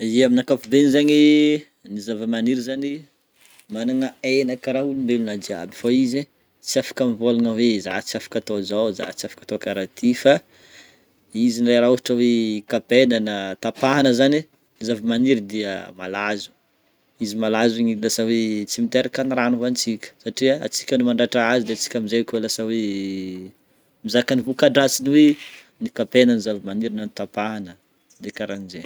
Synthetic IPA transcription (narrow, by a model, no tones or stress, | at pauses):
iaminakafud̪enizaɲi | nizavəmaniɾizani | manaŋaenakraɦuluimbelunad͡ʒia̰bifaize | t͡siafḁkamivolanaweza̰t͡siafḁkat̪ozawza̰t͡siafḁkat̪okaɾat̪ʰifa | izinɖ͡ʐajɾauɦaʈ͡ʂəwekapenanət̪apaɦanəzani | zavimaniɾid̪iəmalazu̥ | izimalaziɲilasawet͡simit̪eɾakaniranuvant͡sikʲə̥saʈ͡ʂiaa̰t͡si̥kʲənumaɳɖ͡ʐaʈ͡ʂaazid̪eat͡si̥kʲamizakʲolasawe | mizakanivukaɖ͡ʐat͡siniwe | nikapenənizavimaniɾinanit̪apaɦanə | d̪ekaɾanize